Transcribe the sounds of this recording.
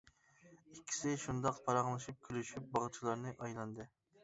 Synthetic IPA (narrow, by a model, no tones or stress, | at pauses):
ikʲʰːi̥sɪʃund̪ɑqpʰɑɾɑʁlˠɨʃip̚kʲʰylyʃyp̚bɑʁt͡ʃʰilˠɑɾnɨʔɑjlˠɑnd̪ɨ